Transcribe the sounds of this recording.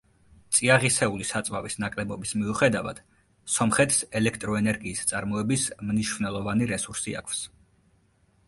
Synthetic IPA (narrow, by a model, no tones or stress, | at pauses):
t̪sʼiaʁisɛulisat̪sʼvavisnakʼlɛbɔbismiuχɛd̪ava̰d̪̥ | sɔmχɛt̪ʰʼsɛlɛkʰt̪ʼɾɔɛnɛɾɡiːst̪sʼaɾmɔɛbismniʃvnɛlˠɔvaniɾɛsuɾsia̰kʰfs